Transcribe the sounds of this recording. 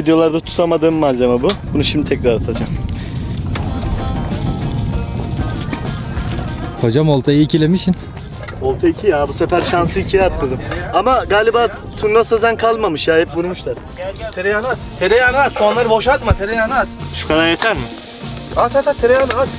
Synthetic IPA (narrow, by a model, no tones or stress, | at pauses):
vid̪ijo̞lˠaɾd̪at̪ʰu̥t̪ʰamad̪ɯːmːazemabubunuʃimd̪it̪ʰɛcɾaɾat̪ʰad͡ʒam | hod͡ʒamolˠt̪ʰajicilʲemiʃin | o̞lˠt̪ʰaicʰijaːbusefæɾʃansɯicʰijat̪ːɯɣɯamaɡaːlʲibaː | t̪ʰunlasazænkʰalˠmamɯʃjaːhɛp̚buɾmuʃlˠaɾ̥ | t̪ʰeɾejanat̪t̪ʰeɾejanat̪sonlˠaɾɯboʃaɾt̪mat̪ʰeɾejanat̪ʃu̥kʰad̪aɾjet̪ʰæɾmɪ | at̪ʰat̪ʰat̪ʰeɾejanaat̪